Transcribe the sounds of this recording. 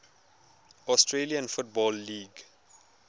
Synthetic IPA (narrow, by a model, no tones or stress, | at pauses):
ɔstʰɹeliə̃nfʊt̚bɔlːiːɡ